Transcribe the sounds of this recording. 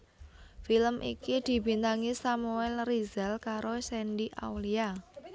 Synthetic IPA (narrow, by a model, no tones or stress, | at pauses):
filəmʔḭkid̪̥i̤bi̤nt̪aŋisamuɛlrizɛlkaɾosɛnɖiʔa̰wlia